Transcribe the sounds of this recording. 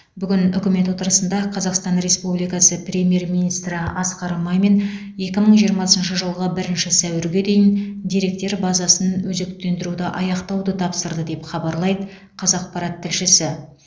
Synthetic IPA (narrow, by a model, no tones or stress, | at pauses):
bʏɡʲɪnʏkʲɪme̞t̪wo̞t̪əɾəsənd̪ɑqʰɑzɑqst̪ɑnɾe̞spublijkɑsəprʲe̞mʲije̞rminist̪ɾɪɑsqɑɾmɑjme̞n | je̞kʲɪməɴʒijəɾmɑsənʃ̬əʒəlˠʁəbɪɾɪnʃɪsæwɪɾɡʲe̞d̪e̞jɪnd̪e̞ɾe̞k̚t̪e̞ɾbɑzɑsənwɵze̞kt̪e̞nd̪ɪɾud̪ɪʔɑjɑqt̪ɑwd̪ət̪ʰɑpsəɾd̪əd̪e̞pχɑbɑɾlˠɑjd̪ə | qʰɑzɑq̚pɑɾɑt̪ʰːɪlʃɪsɪ